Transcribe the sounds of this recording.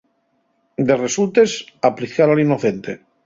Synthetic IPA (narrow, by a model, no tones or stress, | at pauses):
d̪e̞result̪e̞sapliθaɾalinoθe̞nt̪e